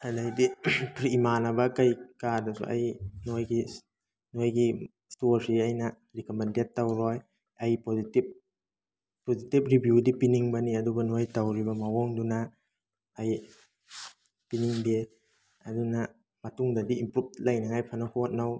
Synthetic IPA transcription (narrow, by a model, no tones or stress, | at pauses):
adajdipɾimanɐbɐkajkadasṵʔa̰jnojɡi | nojɡi | stoɾsiajnɐ | ɾikomendetːawɾɔj | ajpozitip̚ | pozitip̚ɾibjudipiniŋbɐniɐdubɐnojtawɾibɐmawɔŋdunaː | j | piniŋbe | ɐdunɐ | mɐtuŋdɐdiːmpɾup̚lajnaŋajpʰanɐhot̚naw